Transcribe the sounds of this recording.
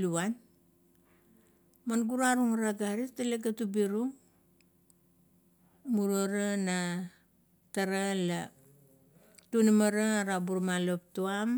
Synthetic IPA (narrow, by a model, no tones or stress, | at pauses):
luan | manɡuɾaɾuŋaɾaɡaɾitaleɡatubiɾuŋ | muɾoɾana | taɾala | tunamaɾaaɾabuɾmalop̚tuam